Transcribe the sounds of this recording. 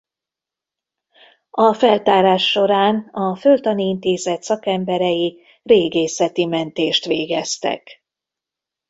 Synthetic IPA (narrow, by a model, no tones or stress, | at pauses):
ɒfɛlt̪aːɾaːʃːo̞ɾaːnɒfølt̪ɒniint̪eːzɛt̪sɒkɛmbɛɾɛji | reːɡeːsɛt̪imɛnt̪eːʃt̪ʋeːɡɛst̪ɛ̰k